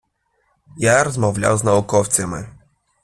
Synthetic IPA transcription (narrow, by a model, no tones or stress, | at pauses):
jaɾɔzmɔvlʲa̰wznaukɔft̪sɨmʲɘ̰